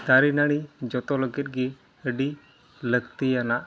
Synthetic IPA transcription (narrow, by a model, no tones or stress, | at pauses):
t̪aɾinaɽ̃id͡ʒɔt̪ɔləɡit̪̚ɡi | əɖi | ləɡt̪ijanaʔ